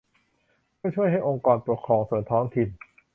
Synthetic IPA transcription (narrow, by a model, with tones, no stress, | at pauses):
mɯ˥˩əjt͡ɕʰu˥˩əjɦa˥˩jʔo˧ŋkɔː˧npɾu˨˩kʰɾɔː˧ŋsu˨˩ənt̪ʰɔː˦˥ŋt̪ʰi˨˧n